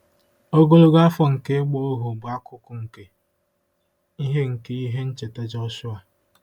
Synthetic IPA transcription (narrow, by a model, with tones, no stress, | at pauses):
o˦ɡo˦lo˦ɡa˦fɔ˨ŋ̩˨ke˦ɡ͡bɔ˦o˦ɦo˨bʊ˨a˦kʊ˨kʊ˦ŋ̩˨ke˦ | i˦ɦe˦ŋ̩˨ke˦i˦ɦe˦n̩˦t͡ʃe˨ta˦d͡ʒɔ˦sʊ˦a˨